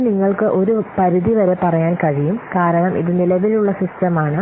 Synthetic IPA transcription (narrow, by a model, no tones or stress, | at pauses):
niŋːɐɭkɨʔo̞ɾupɐɾuðiʋɐɾe̞pɐrɐjaːnkɐɻijumkaːɾɐɳɐmʔḭðɨnilɐʋiluɭːɐsisʈɐmaːɳɨ